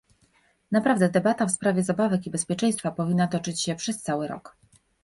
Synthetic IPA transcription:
napɾavd̪ɛd̪ɛbat̪afspɾavʲjɛzabavɛkibɛspʲjɛt͡ʂɛ̃j̃st̪fapɔvʲinːat̪ɔt͡ʂɘt͡ɕɕɛpʂɛst̪sawɘɾɔ̰k

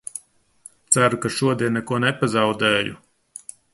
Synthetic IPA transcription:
t̪sæɾukaʃuɔd̪iɛnːɛkuɔnepazɑwd̪ɛːjṵ

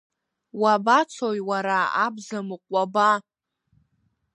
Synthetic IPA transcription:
wabat͡sʰojwaɾaa̰bzamɨqʷʼaba

